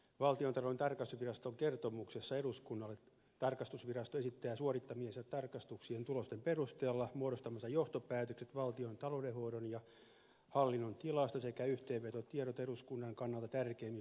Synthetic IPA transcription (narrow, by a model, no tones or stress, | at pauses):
ʋɑlt̪iont̪ɑloent̪ɑrkɑst̪usʋirɑst̪oŋkert̪omuksesːɑeɾuskunːɑlːe | t̪ɑrkɑst̪usʋirɑst̪oesit̪ːæːsuorit̪ːɑmiesɑt̪ɑrkɑst̪uksient̪ulost̪emperust̪eːlːɑmuoɾost̪ɑmɑsːɑjoht̪opæːt̪økset̪ʋɑlt̪iont̪ɑlodehoːɾonjɑ | hɑlːinːont̪ilɑst̪ɑsekæyht̪eːʋʋet̪ot̪ieɾot̪eɾuskunːɑŋkɑnːɑlt̪ɑt̪ærkeimi